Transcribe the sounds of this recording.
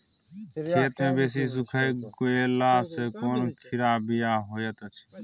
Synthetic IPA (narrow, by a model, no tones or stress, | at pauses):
kʰeːt̪mẽːbeːs̬iːs̬ukʰəjɡoeːlaːsekoːnkʰɪɾaːbijaːɦoːjət̪ət͡ʃʰ